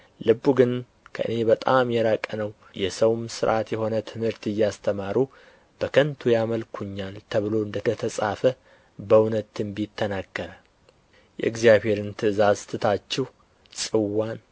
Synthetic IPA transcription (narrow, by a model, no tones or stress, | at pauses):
lɨbːuɡɨn | kʰə̰ʔɨ̰ne̞bət̪ʼamjɛɾakʼənəw | jɛsəwmsɨɾʔat̪jɛho̞nət̪ʰɨmhɨɾt̪ɨjːast̪ʰəmaɾu | b̥əkʰənt̪ʰujaməlkʰuɲːalt̪ʰəβɨlo̞ɨnd̪ət̪ət̪ʰəsʼafə | bəwnət̪ːɨmbit̪ʰːənaɡːəɾə | jɛ̰ɨɡzjaβhe̞ɾɨnt̪ʰɨɨzazt̪ʰɨt̪ʰat͡ʃːɛh | sʼɨwːan